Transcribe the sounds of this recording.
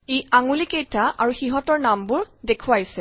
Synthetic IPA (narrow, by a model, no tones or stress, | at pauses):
ejaŋulikejtaʔaɹuxiɦɔtɔɹnambʊɹdekʰuwajsɛ